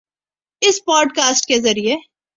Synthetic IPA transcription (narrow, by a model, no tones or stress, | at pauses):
ɪspɔːɖkaːsʈkezɐɾie